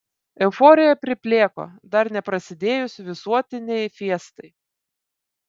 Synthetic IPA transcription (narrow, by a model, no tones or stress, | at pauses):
ɛʊfɔːɾʲɪjɛpʲɾʲɪpʲlʲeːko̰ːd̪ɐɾnʲɛpɾɐsʲɪd̪ʲeːjʊsʲʋʲɪsuɔt̪ʲɪnʲɛɪfʲiɛst̪ɐɪ